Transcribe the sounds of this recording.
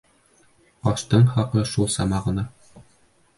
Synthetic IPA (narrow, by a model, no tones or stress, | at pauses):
ɒʃt̪ɤɴχɑqɤʃulˠsɑmɑʁɤ̆nɑ